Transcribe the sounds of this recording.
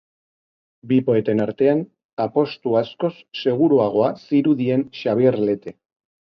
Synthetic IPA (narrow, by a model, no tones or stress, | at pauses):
bipo̞e̞t̪e̞naɾt̪e̞an | apo̞st̪uasko̞sːe̞ɣ̞uɾuaɣ̞o̞asiɾuðie̞nʃaβieɾle̞t̪e̞